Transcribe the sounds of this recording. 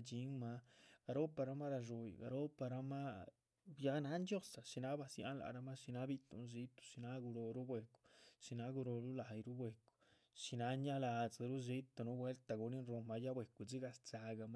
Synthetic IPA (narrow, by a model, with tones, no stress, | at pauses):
d͡ʒi˨˦ŋma˧ɡa˧ɾo˦pa˧ɾa˧˦ma˦ɾa˧ʐu˧j̰ɡa̰˨ɾo˦pa˧ɾa˧ma˦ | ja˦ɡna˦nd͡ʒo˦sa˨ʃi˧na˦ba˧sja̰˦la̰˨ɾa˦ma˦ʃi˧na˦bi˦t̪ṵ˨n˦zi˦t̪u̥˧ʃi˧na˦ɡu˧ɾo˧ɾu˦bʷwe˧ku̥˨ʃi˧na˧˦ɡu˧ɾo˧ɾu˦la˨jɾu˦bwe˧ku̥˨ | ʃi˧na˨˦ɲa˦la˧˨d͡za˨ɾu˦zi˦t̪a˧nu˦bwe˦lt̪a˨ɡu˧ni˦nɾo˧ma˧ja˦bwe˨ku˨d͡zi˦ɡa˧st͡sa˧ɡa˧ma˦